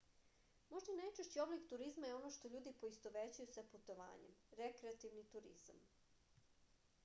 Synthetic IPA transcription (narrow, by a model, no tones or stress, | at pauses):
mo̞ʒd̪ainajt͡ʃeʃt͡ɕio̞blikt̪uɾizmajeo̞no̞ʃt̪o̞ʎuːd̪ipo̞ist̪o̞ʋet͡ɕajusaput̪o̞ʋa̰ːɲḛmɾekɾeat̪iʋnit̪uɾḭz̥a̰m